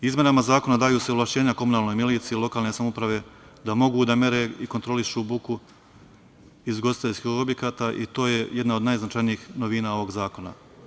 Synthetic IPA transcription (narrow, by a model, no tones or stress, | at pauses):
izmje̞namazaːko̞nad̪aːjuːseoʋlˠaʃt͡ɕe̞ːɲako̞munaːlˠno̞jmiliːt̪siilˠo̞kaːlne̞samoupɾaʋe̞ | d̪amo̞ɡuːd̪ame̞ɾe̞ikont̪ɾo̞liʃubuku | izɡo̞sit̪e̞ʎʲskixo̞bje̞kaːt̪aʔit̪o̞ːje̞je̞d̪naod̪najznat͡ʃajniiːxno̞ʋiːnao̞ʋo̞ɡzaːko̞na̰